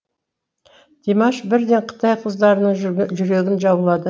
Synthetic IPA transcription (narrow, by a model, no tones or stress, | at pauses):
d̪̥ʰemɑʃbɪɾd̪e̞ɴqʰə̥t̪ɑjqʰəzd̪ɑɾənəɴʒʏɾe̞ɡʲɪnʒɑbəlˠɑd̪ə